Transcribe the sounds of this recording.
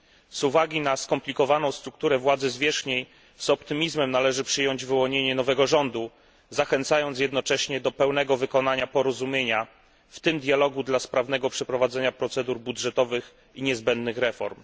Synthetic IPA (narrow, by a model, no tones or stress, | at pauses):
z̥uvaɡʲinaskɔmplʲikɔvanɔ̃w̃st̪ɾuk̚t̪uɾɛvwad̪zɘzvʲjɛʂxɲej | z̥ɔpt̪ɘmʲizmɛmnalɛʐɘpʂɘjɔɲd͡ʑvɘwɔɲeɲɛnɔvɛɡɔʐɔnd̪u | zaxɛnt̪sajɔnt̪sjɛd̪nɔt͡ʂɛɕɲɛd̪ɔpɛwn̪ɛɡɔvɘkɔn̪aɲapɔɾɔzumʲjeɲa | ft̪ɘmd̪ʲjalɔɡud̪laspɾavn̪ɛɡɔpʂɛpɾɔvad̪zɛɲapɾɔt̪sɛd̪uɾbudʐɛt̪ɔvɘx | iɲɛzbɛnd̪nɘxɾɛfɔ̰ɾm